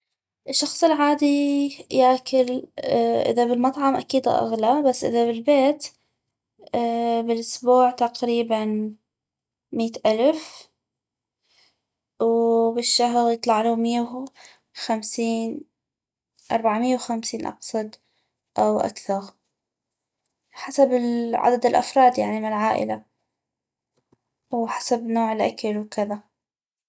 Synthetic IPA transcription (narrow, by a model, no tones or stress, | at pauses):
ʔɪʃːɑxsˤɨlʕaːd̪ijaːkɪl | ʔɪ̰ðabɪlmɑt̪ˤʕɑmʔakiːd̪a̰ʔa̰ɣlabasːʔɪ̰ðabɪlbeːt̪ | bɪlʔʊsbuːʕt̪aqɾiːban | miːt̪ʔalf | wbɪʃːaɦɾjɨt̪ˤlɑʕluːmɪjːaw | xamsiːn | ʔɑ̰ɾˤbaʕmɪjːawxamsiːnʔɑ̰qsˤɑd̪ | ʔawʔa̰kθɑɾˤ | ħasabɪlʕa̰d̪ad̪ɪlʔa̰fɾˤɑːd̪jaʕnimɪnɪlʕaːʔɪ̰la | wħasabnoːʕɪlʔa̰kalwkɪða